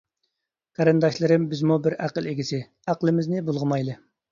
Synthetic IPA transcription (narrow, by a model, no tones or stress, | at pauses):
qʰɑɾɨnd̪ɑʃlˠɨɾɨmbɪzmubɪɾæqəlˠeɡʲisɪ | æqlˠɨmɪznɪbolˠʁəmɑjlˠɨ